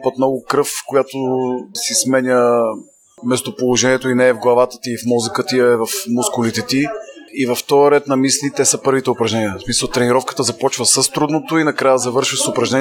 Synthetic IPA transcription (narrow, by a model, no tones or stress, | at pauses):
pət̪mnɔɡʊkɾɤfkojat̪osismɛnʲə | mɛst̪opolˠoʒɛniɛt̪oinɛːvɡlˠɐvat̪ə̥t̪iːfmɔzəkət̪iɐɛvɐfmʊskʊlit̪ɛt̪iːvɐft̪ɔjəɾɛt̪nɐmislʲit̪ɛsɐpɤɾvit̪ɛʊpɾɐʒnɛniəsmisəlˠt̪ɾɛniɾɔfkə̥t̪əzɐpɔt͡ʃvəsəst̪ɾud̪not̪oinɐkɾajəzɐvɤɾʃəsʊpɾɐʒnɛn